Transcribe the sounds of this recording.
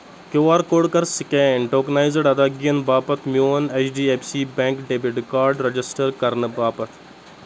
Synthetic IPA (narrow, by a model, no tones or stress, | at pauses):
kewaːɾkoːɽkɐɾsikẽːɳʈoːknaːizɐɖɐd̪aːɡijɐnbaːpɐt̪ʰmjoːnet͡ʃɖiːepsiːbẽːŋkɖeːbiɖkaːɾɖɾɐd͡ʒisʈɐɾkɐɾnɨbaːpɐt̪ʰ